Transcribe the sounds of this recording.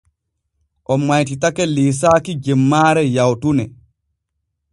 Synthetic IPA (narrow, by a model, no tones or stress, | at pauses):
ʔɔmːajt̬itakɛliːs̬aːkid͡ʒɛmːaːɾɛjawtunɛ